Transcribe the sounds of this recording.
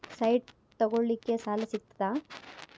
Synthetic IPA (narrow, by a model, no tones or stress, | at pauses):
sɐjɖ | t̪ɐɡoɭlikːe̞saːlɐsik̚t̪d̪aː